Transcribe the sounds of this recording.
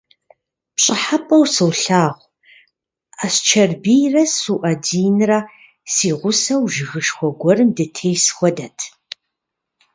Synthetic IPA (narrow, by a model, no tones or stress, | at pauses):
pɕʼɪħapʼɐwsɨwɬaːʁʷ | aɕt͡ʃʰɐrbijrɐsuʔɐdiːnɨrɐ | siːʁʷʊsɐwʒɪɣɨʃxʷɔɡʷɔrɨmdɐtʰeːjsxʷɔdɐtʰ